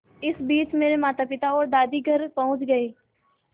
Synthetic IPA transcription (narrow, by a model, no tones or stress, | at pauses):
ɪsbiːt͡ʃmeːɾemaːt̪apɪt̪aɔːɾd̪aːd̪iɡʱəɾpɐɦʊ̃t͡ʃɡɐeː